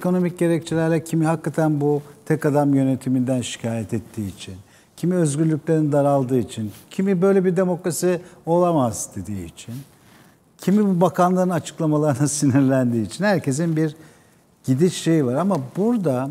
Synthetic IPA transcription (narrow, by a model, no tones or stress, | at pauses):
ekʰono̞mic̚ɟe̞ɾɛc̚t͡ʃʰilʲæɾlʲɛcʰimihakːat̪ʰænbut̪ʰɛkad̪amjø̞ne̞t̪ʰimind̪ænʃi̥cʰaːjɛt̪ɛt̪ʰːiːit͡ʃʰin | cʰimiø̞zɟyɾlʲycʲlʲe̞ɾinid̪aɾalˠd̪ɯːit͡ʃʰincʰimibø̞jlʲebiɾd̪e̞mo̞kɾasio̞lˠamazd̪e̞d̪iːit͡ʃʰin | cʰimibubakʰanlˠaɾɯnat͡ʃʰɯ̥klˠamalˠaɾɯnasiniɾlʲænd̪iːt͡ʃʰinhæɾcʰe̞zinbiɾ | ɟ̥id̪it͡ʃʃe̞jvaɾamabuɾd̪a